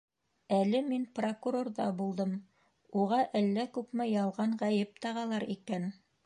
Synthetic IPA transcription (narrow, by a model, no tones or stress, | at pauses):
ælɘminprokuɾo̞rðɑbulˠd̪ɤm | uʁɑʔælːækʉpmɘjɑlˠʁɑɴʁæjɘp̚t̪ɑʁɑlˠɑɾikæn